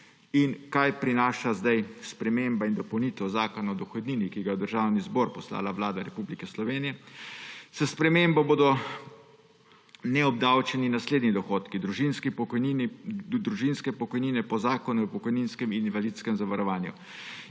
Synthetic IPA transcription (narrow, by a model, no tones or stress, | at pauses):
inkajpɾinaːʃazd̪ajspɾɛmembaind̪ɔpɐwnit̪ɛzaːkɔnaɔd̪ɔxɔd̪niːnikiɡajɛd̪əɾʒaːwnizbɔːɾpɔsla̰ːlaʋlaːd̪aɾɛpublikɛslɔʋeːnijɛ | sɛspɾɛmembɔboːd̪ɔ | nɛɔb̚d̪awt͡ʃɛninasleːd̪nid̪ɔxoːt̪kid̪ɾuʒinskipind̪ɾuʒinskɛpɔkɔjniːnɛpɔzaːkɔnupɔkɔjninskɛmininʋalit̪skɛmzaʋaɾɔʋaːnjṵ